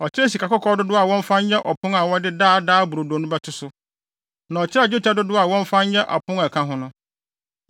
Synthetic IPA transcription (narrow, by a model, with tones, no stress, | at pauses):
ɔ˨t͡ɕʰɪ˦ɾɛ˦s̬i˨ka˨kɔ˦kʰɔː˦dʊ˦dʊ˦a˨wɔ̃˦ɱ̩˦fã˦ɲɲɛ̃˦ʔɔ˨pʰʊ̃˦ŋa˨wɔ˦dɪ˦daː˦˨daː˦bʊ˨ɾo˨do˨nʊ̃˦bɛ˦tʰʊ˦sʊ˦ | nã˨ɔ˨t͡ɕʰɪ˦ɾd͡ʑɪ˦t͡ɕʰɛ˦dʊ˦dʊ˦a˨wɔ̃˦ɱ̩˦fã˦n˦ɲɛ̃˦ʔa̰˨pʰʊ̃˦ŋa˨kʰã˦ɦʊ̃˦nʊ̃˦